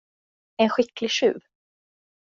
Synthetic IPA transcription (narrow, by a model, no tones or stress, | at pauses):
ɛnɧɪklɪʂʉ̟̰ːv